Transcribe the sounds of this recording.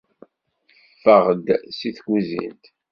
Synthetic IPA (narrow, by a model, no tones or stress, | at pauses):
fːəʁəd̪siθɡʷuzḭnt̪